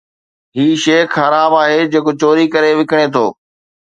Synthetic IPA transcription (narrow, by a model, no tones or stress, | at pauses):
ɦiːʃeːkxəɾaːbaːɦeːd͡ʑeːkot͡ɕoːɾikɐɾeʋɪkɽ̃et̪ʰoː